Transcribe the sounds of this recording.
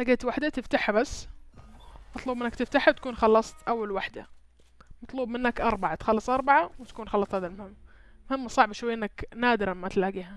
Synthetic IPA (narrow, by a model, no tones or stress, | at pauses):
laɡeːt̪waħd̪at̪ɪft̪aħbasː | mɑt̪ˤluːbmɪnːakt̪ɪft̪aħat̪ḁkuːnxɑlːɑsˤt̪ʔawːalwaħd̪a | mɑt̪ˤluːbmɪnːakʔɑɾˤbɑʕat̪xɑlːɨsˤʔɑɾˤbɑʕawɪt̪ḁkuːnxɑlːɑsˤhaːðalmʊhɪmːmʊhɪmːsˤɑʕbʃwajːʔɪnːaknaːd̪ɪɾmːat̪laːɡiːha